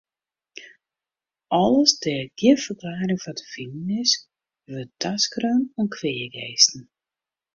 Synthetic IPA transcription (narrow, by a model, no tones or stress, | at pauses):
ʔɔləsdɛɡ̥jɪfərklaːɾɪŋvɔtə̥finənɪs | ʋøtaskrøːnɔnkʰʋeːəɡeːstn̩